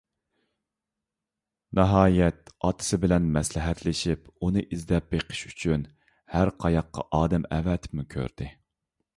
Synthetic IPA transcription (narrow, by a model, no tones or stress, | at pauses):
nɑɦɑːjɛt̪ɑt̪ʰɨ̥sɨbɪlɛnmɛslɪɦɛt̪lɪʃipunɨʔizd̪ɛp̚beqʰə̥ʃyt͡ʃʰyn | hæɾqʰɑjɑqːɑ̰ʔɑːd̪ɛmɛ̰vɛt̪ʰɪ̥mukʲʰø̰ɾd̪̥ɪ